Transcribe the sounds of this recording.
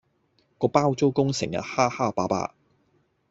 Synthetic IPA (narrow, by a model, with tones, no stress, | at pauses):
kɔː˧paː˥wt͡so˥wkʊ˥ŋsɪ˨˩ŋjɐ̰˨t̚haː˥haː˥paː˨˥pa̰ː˥